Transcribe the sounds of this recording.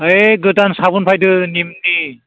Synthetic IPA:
əjɡɯtansabunpʰajdɯnimni

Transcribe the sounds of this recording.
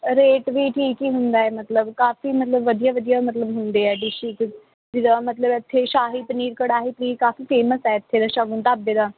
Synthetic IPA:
ɾeːʈʋiːʈʰiːkiːɦʊnd̪aːɛːmət̪ləbkaːfiːmət̪ləbʋəd̪ijaːʋəd̪ijaːmət̪ləbɦʊnd̪eːɛːɖɪʃɪk | d͡ʒɪd̪aːmət̪ləbɪt̪ʰːeːʃaːɦiːpəniːɾkəɽaːɦiːpəniːɾkaːfiːfeːməsɛːɪt̪ʰːeːd̪ãːʃaːɡʊnt̪aːbːeːd̪ãː

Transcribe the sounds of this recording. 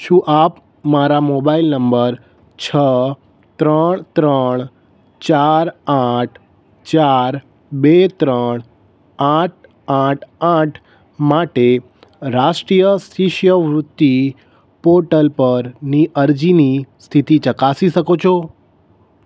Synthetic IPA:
ʃũʔap | maɾamobailnəmbəɾ | t͡ʃʰə | t̪ɾəɳt̪ɾəɳ̃ | t͡ʃaɾaʈʰ | t͡ʃaɾ | bet̪ɾəɳ̃ | aʈ̚ʰ | aʈʰaʈʰ | maʈe | ɾaʃʈɾijəst̪ʰiʃjəʋɾʊt̪ːi | poɾʈəlpəɾniʔəɾd͡ʒinist̪ʰit̪it͡ʃəkasiʃəkot͡ʃʰo

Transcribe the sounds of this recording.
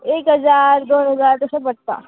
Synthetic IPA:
eːkɦɐzaːɾd̪oːnɦɐzaːɾt̪osebəʈ̚t̪a̰ː

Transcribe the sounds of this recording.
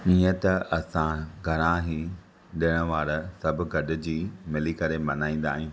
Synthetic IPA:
iə̃t̪ɐʔɐsãɡʱɐɽ̃ãɦi | ɗɪəɽ̃ʋaːɾsɐbʱʊ̆ɡɐɖɪ̆d͡ʑiːmɪlikɐɾemɐnaːĩːn̆d̪a̰ːɦiũː

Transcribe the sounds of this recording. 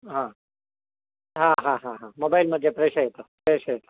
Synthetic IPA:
ɦã | ɦãːɦãɦãɦãːmobaːɪlmɐd̪ʱjepɾeːʃəɦet̪opɾeːʃəɦet̪o̥

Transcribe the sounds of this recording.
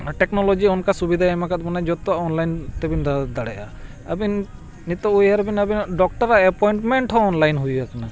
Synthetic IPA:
ʈɛknɔlɔd͡ʒiɔnkasubid̪ʱaɛmakat̪̚mɔnad͡ʒɔt̪ɔaʔɔnlajnt̪ɛbind̪ad̪aɽɛja̰ | ə̰binː | it̪ɔujaɾbinabinɖɔk̚ʈɔɾaʔɛpɔjɳʈmɛɳʈɦɔ̃ːnlajnɦujɡakana

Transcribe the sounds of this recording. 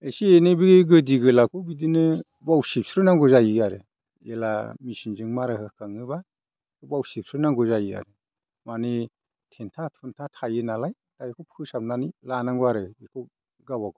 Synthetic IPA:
esienebiɡɡɯdiɡɯlakʰubidinɯ | bawsip̚sɾɯnaŋɡɔzajiaɾɯ | ela̰misinzɯŋmaɾɯhɯkʰaŋɯba | kʰɔbawsip̚sɾnaŋɡɔzajia̰ɾɯ | mane | tʰentʰatʰuntʰatʰajɯnalaj | tajekʰɔpʰɯsapnanilanaŋɡɔaɾɯekʰɔ | ɡawaɡɔ

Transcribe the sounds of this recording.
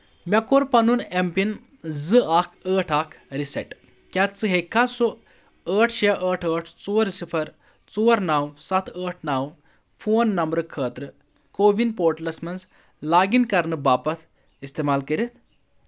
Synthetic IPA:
mʲɐkoɾpɐnunempin | zɨakʰəːʈʰakʰɾisɐ̰ʈ | kʲat̪t͡sɨɦekʰːasu | əːʈʰʃeʔəːʈʰəːʈʰt͡soːɾsipʰɐɾ | t͡soːɾnawsɐt̪ʰəːʈʰnaw | fʰoːnːɐmbɾɨkʰəːt̪ɾɨ | koːʋinpoːɾʈlɐsmɐnz | laːɡinkɐɾnɨbaːpɐt̪ | ist̪emaːlkəɾit̪

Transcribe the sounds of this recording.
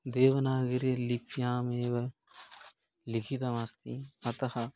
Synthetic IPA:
d̪eːʋɐnaːɡiɾelipjãːmeːʋɐ | likʰit̪ɐʋɐst̪iɐt̪ɐhɐ

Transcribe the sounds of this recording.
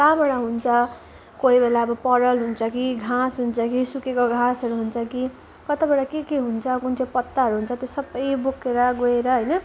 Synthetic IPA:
kamʌɽaɦunt͡sʰʌ | koɦibelaʌbʌpʌɽʌlɦunt͡sʰʌkiɡʱãsɦunt͡sʰʌkisukekoɡʱãsʌɾuɦunt͡sʰʌki | kʌt̪abeɽakekeɦunt͡sʰʌkunt͡sepʌt̪ːaɦʌɾuɦunt͡sʰʌt̪josʌbːʌjbokeɾʌɡoeɾʌɦʌjnʌ

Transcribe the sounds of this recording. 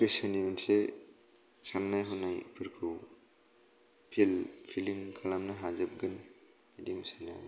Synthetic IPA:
kesɐniminse | sanːajɦunajpʰɯɾkʰu | pʰilpʰiliŋkʰalamnaɦazɯp̚ɡɯn | idimsajna̰

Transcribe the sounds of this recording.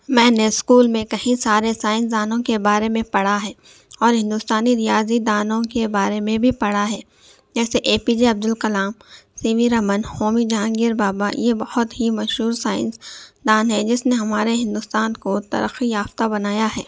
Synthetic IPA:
mɛ̃ːneskuːlmẽkɐɦĩsaːɾesaːɪ̃ns̬d̪aːnõkebaːɾemẽpɐɽaɦɛː | ɔːɾɦɪ̃nd̪ʊst̪aːniɾijaːzid̪aːnõkebaːɾemẽbʱipɐɽaɦɛː | d͡ʒɛːseʔeːpid͡ʒeɐb̚d̪ʊlkɐlaːmsiːʋiɾɐmənhoːmid͡ʒãːŋɡiɾbaːbajebɐhʊt̪ɦimɐʃɦuːɾsaːɪ̰̃nsd̪aːnɦɛd͡ʒɪsneɦɐmaːɾeɦɪ̃nd̪ʊst̪aːnkot̪ɐ̰ɾə̰xijaːft̪abɐnaːjaɦɛː

